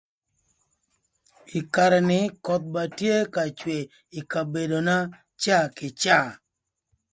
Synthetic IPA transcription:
ɪ˨ka˨ɾɛ˨nɪ˦kɔ˦t̪̚ba˨tje˦ka˨t͡ʃwe˨ | i˨ka˨be˨do˨na˦ | t͡ʃa˦˨kɪ˨t͡ʃa˦˨

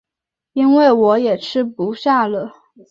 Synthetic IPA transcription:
i˥nwe˥˩ɪwɔ˧˥jɛ˨˩ʈ͡ʂʰɻ̩˥pu˧˥ɕja˥˩lə˩

